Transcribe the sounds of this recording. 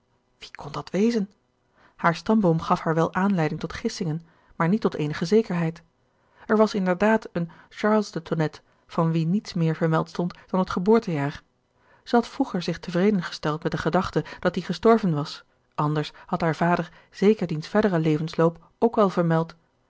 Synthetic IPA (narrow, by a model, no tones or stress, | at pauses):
ʋi̥kʰɔndɑtʋejzən | haːɹstɑmbomχɑfhaːɹʋɛlˠʔaːnlɛjdɪŋtɔtχɪsɪŋən | maːɹnitːɔtejnəχəzejkəɹɦɛjt | ɛɹʋɑsɪndəɹdaːtən | ʃɑːɹlˠsdətʰonɛt | fɑnʋinitsmɪːɹvəɹmɛlˠtstɔntd̥ɑnətχəbʊːɹtəjaːɹ | z̥əɦɑtfʁuχəɹzɪχtəvrejdənχə̥stɛlˠtmɛt̚dəχədɑχtəd̥ɑt̚diχəstɔɹvənʋɑs | ʔɑndəɹshɑtɦaːɹv̥aːdəɹ | z̥ejkəɹdinsfɛɹdəʁəlejvənsloːwp | owkʋɛlˠvəɹmɛlˠt